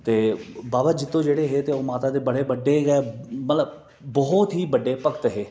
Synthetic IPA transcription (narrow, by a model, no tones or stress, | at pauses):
t̪eːbaːbad͡ʒɪt̪ːõːd͡ʒeːɽeːɦeːt̪eːoːmaːt̪aːd̪eːbəɽeːbəɖːeːɡɛːmət̪ləb | bɔːt̪ɦiːbəɖːeːpəkət̪ɦeː